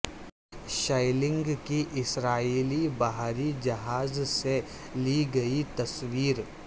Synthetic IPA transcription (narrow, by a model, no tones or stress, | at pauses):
ʃaːɪlɪ̃ŋɡkiʔɪsɾaːiːlibɐɦɾid͡ʒɐɦaːzse | liɡɐit̪ɐswiːɾ